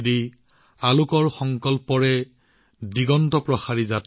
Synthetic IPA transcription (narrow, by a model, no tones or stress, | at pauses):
di | alukɔɹxɔŋkɔlpɔɹɛ | diɡɔntɔpɹɔxaɹizat